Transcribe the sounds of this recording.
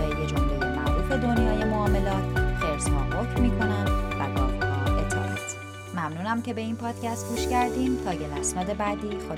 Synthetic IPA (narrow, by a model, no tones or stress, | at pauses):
ejed͡ʒomlojemæ̰ʔɾuːfe̞d̪o̞njɒːje̞moɒːme̞lɒːt̪ʰxeɾshɒ̰ːɦocmːiːkʰo̞nænd̪væ̰ɡɒ̰ːmhɒʔḛt̪ʰːḛɾɒ̰t̪ | mæmnuːnæmce̞be̞iːnpʰɒːd̪̥cʰæst̪̚ɡuːʃcæɾd̪iːmt̪ʰɒːɡelæsnɒːd̪e̞bæd̪iːxo